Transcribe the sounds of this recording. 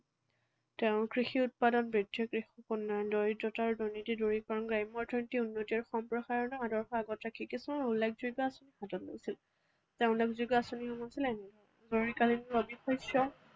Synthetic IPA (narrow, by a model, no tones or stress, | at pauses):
tɛʊ̃kɹixiʊt̚padɔnbɹidʱjɔkɹixɔkunːɔndɔɹidɔtaɹudɔnitiduɹikɔɹɔnɡɹajmɔɹtʰɛntiunːotiɔɹxɔmpɹɔxaɹɔnɔadɔɹxɔaɡɔtakʰikisɔmaulːekʰzujɡɔasonihatɔtlo̰jsil | tɛʊ̃nlekzujɡɔasoniɦɔmasilɛnɛdʱɔɹɔ | zoɹikalinɹobixɔjsjɔ